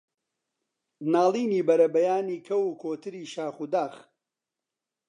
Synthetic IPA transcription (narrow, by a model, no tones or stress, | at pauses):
naːlˠiːniːbɐɾɐbɐjaːniːkʰɐwukʰoːt̪ɨɾiːʃaːχud̪aːx